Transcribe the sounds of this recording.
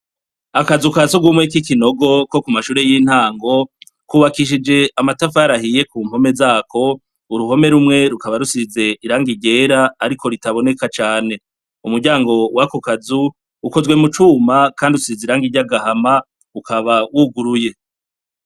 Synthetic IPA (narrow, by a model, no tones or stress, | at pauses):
akazukazuɡwumŋekikino̞ɡo̞ko̞kumaʃuːɾe̞jin̥haːŋɡo̞ | kuβakiʃ̬id͡ʒe̞amatafaɾahije̞kuːmho̞me̞zaːkʰo̞ | uɾuɦo̞me̞ɾumŋe̞ɾukaβaɾusize̞iɾaːŋɡiɟe̞ːɾaːɾikʰo̞ɾitaβo̞ne̞kat͡ʃaːne̞ | umuɾɟaːŋɡo̞wakokazuː | ko̞zwe̞mut͡ʃuːmakaːndiusiizeɾaːŋɡiɟaɡahama | ukaβawuɡuɾuje̞